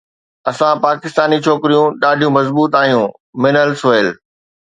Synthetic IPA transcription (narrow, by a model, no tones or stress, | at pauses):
ɐsãpaːkɪst̪aːnit͡ɕʰoːkɪɾijũɗaːɖʱijũmɐzbuːt̪aːijũ | mɪnəlseːl